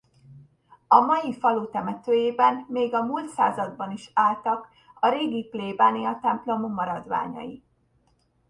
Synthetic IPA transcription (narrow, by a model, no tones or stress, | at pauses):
ɒmɒjifɒlut̪ɛmɛt̪øːjeːbɛnmeːɡɒmuːlt̪sa̰ːzɒd̪bɒniʃaːlt̪ɒk | ɒɾeːɡipleːbaːniɒt̪ɛmplo̞momːɒɾɒd̪ʋa̰ːɲɒ̰ji